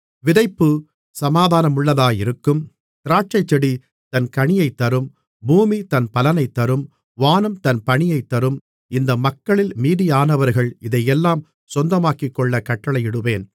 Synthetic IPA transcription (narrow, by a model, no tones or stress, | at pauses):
ʋɪðɐɪpːɯ | sɐmaːðaːnɐmʊɭːɐðaːjɪɾɯkːɯm | t̪ɪɾaːʈ̚t͡ʃɐɪt͡ʃːɛɽi | t̪ɐnkɐɳɪjɐɪt̪ːɐɾɯm | buːmit̪ɐnpɐlɐnɐɪt̪ːɐɾɯm | ʋaːnɐmt̪ɐnpɐɳɪjɐɪt̪ːɐɾɯm | ɪnd̪ɐmɐkːɐɭɪlmiːðijaːnɐʋɐɾɣɐɭɪðɐjɛlːaːm | sɔnd̪ɐmaːkɪkːɔɭːɐkɐʈːɐɭɐɪɪɽɯʋeːn